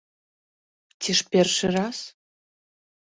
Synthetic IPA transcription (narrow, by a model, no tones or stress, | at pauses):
t̪ʲiʃpʲerʃɘ̆rɑs